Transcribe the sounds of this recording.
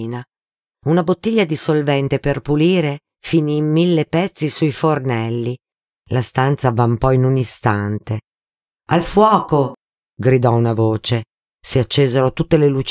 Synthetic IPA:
na | unabot̪ːiʎːad̪isolvɛnt̪eperpuliːɾe | finiːmːilːepɛt̪sːisuifornɛlːi | last̪ant̪savampɔjnunist̪ant̪e | alfwɔːko | ɡɾid̪ɔunavoːt͡ʃe | siat͡ʃːeːzeɾot̪ut̪ːelelut͡ʃ

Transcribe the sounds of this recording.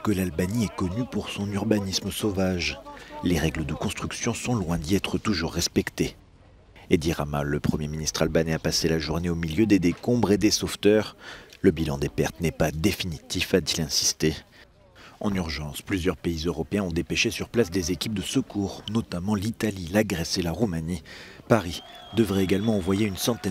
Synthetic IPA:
kəlalbaniɛkɔnypuʁsɔ̃nyʁbanisməsovaʒleʁɛɡləd̪əkɔ̃st̪χyksjɔ̃sɔ̃lwɛ̃d̪iɛt̪χət̪uʒuʁːɛspɛkt̪e | ed̪iʁamaləpχəmjeminist̪χalbanɛapaselaʒuʁneomiljød̪ed̪ekɔ̃bʁed̪esoft̪œʁləbilɑ̰̃d̪epɛʁt̪nɛpad̪efinit̪ifat̪ilɛ̃si̥st̪e | ɑ̃nyʁʒɑ̃splyzjœʁpeizøʁɔpeɛ̃ɔ̃d̪epeʃesyʁplasd̪ezekʲip̚d̪əsəkuːʁnɔt̪amɑ̃lit̪alilaɡʁɛselaʁumanipaʁi | d̪əvʁɛeɡalmɑ̃ɑ̃vwajeynsɑ̃t̪ɛ

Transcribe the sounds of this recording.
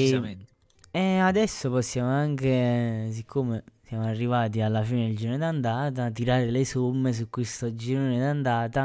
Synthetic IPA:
ɛad̪ɛsːopɔsːjaːmoaŋk̟es̬ikʰːomesjaːmoarːivaːt̪̬ialːafiːned̪eld͡ʒiɾnod̪and̪aːt̪̬at̪̬iɾaːɾelesumːes̬ukːwest̪od͡ʒined̪and̪aːt̪a

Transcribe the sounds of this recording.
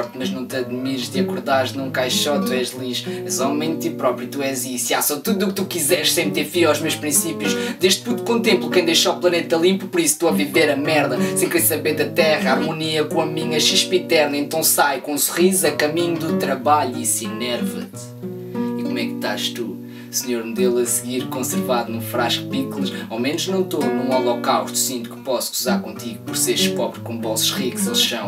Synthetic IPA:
ɾt̪mɐʒnɐ̃w̃t̪ɐðmiɾʃt̪iɐkuɾðaɾʒnɐ̃w̃kajʃʃɔt̪uɛʃlˠiʃɛzɔmɐ̃j̃d̪̚t̪ipɾɔpɾiut̪uɛzisiasɔt̪uðuuk̚t̪ukizɛɾʃsɐ̃j̃t̪eɾfiawʒmewʃpɾĩsipjuʃd̪eʃd̪̚pũt̪kõt̪ẽmplˠukɐ̃d̪ejʃaplˠɐnet̪ɐlˠĩmpupɔɾist̪uɔviveɾɐmɛɾðɐsẽj̃kɾesɐβẽd̪ɐt̪ɛʁɐaɾmuniɐkõɐmĩɲɐʃiʃpit̪ɛɾnɐẽnt̪ɐ̃w̃sajkõsuʁizuzɐkɐmiɲud̪ut̪ɾɐβaʎuisinɛɾvɐt̪ | ikomɛkt̪aʃt̪u | sɨɲoɾnd̪elˠɐsɨɣiɾkõsɨɾvaðunũfɾaʃkpiklˠɐʃawmenuʒnɐ̃w̃t̪onũɔlˠɔkawʃt̪u̥sĩnt̪u̥kɨ̥pɔsuzaɾkõnt̪iɣupɔɾseɾʃpɔβɾkõbɔsuʃʁikzɐwʃɐ̃w̃

